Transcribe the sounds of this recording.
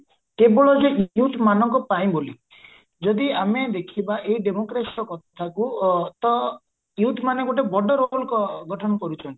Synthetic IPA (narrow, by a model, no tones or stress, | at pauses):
kebɔɭɔd͡ʒeʔjut̪ʰmanɔŋkɔpaĩboli | d͡ʒɔd̪iamed̪ekʰibaʔeiɖemokɾesiɔkɔt̪ʰḁt̪ʰakut̪ɔ | jut̪ʰmaneɡoʈ̬ebɔɖɔɾolkɔɡʱɔʈʰɔnɔkɔɾut͡ʃʰɔnt̪i̥